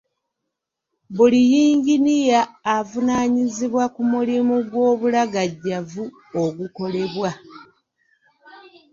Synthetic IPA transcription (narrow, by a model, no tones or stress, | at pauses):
βulijiːɲɟinijaːvunaːɲiziβwakumulimuɡwo̞ːβulaɡaɟːavu | oɡuko̞le̞βwa